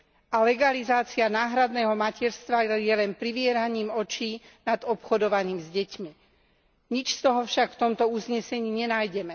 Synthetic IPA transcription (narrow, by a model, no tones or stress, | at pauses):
ʔalɛɡalizaːt͡sianaːɦɾad̪nɛːɦɔmacɛɾst̪ʋajɛlɛnpɾiʋɪɛɾaɲiːmɔt͡ʃiː | nad̪ɔpxɔd̪ɔʋaɲiːmzɟɛcmi | ɲit͡ʃst̪ɔɦɔfʃakft̪ɔmt̪ɔuzɲɛsɛɲiːɲɛnaːjɟɛmɛ